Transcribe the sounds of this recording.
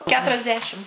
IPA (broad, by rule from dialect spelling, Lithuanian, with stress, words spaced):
ˌkʲæːtʊrʲɛzʲˈdʲæːʃʲɪm